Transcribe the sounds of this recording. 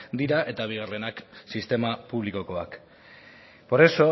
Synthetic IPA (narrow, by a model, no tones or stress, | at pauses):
d̪iɾaʔe̞t̪aβ̞iɣ̞are̞naksist̪e̞mapuβ̞liko̞ko̞ak | po̞ɾe̞so̞